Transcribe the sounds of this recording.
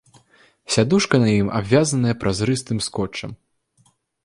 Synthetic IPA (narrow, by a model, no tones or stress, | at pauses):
sʲad̪uʂkɐnɐjima̰bvʲazɐnɐjɐpɾazɾɨst̪ɨmskɔt͡ʂːɐ̰m